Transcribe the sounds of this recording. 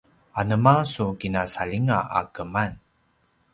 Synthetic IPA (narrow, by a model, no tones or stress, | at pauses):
anəmasukinasaʎiŋaa̰kəman